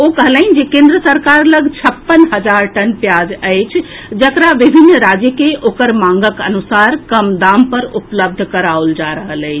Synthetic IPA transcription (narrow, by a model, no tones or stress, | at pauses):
okəɦəlaɦind͡ʒekẽnd̪ɾəsəɾkaɾləɡʱt͡ʃʰəpːənɦəd͡ʒaɾʈənpjad͡ʒəɪt͡ʃʰ | d͡ʒəkɾaʋibʱinːɾad͡ʒjəkeʔokəɾmãŋɡəkənusaɾkəmd̪ampəɾupləb̚d̪ʱkəɾauld͡ʒaɾəɦələɪt͡ʃʰ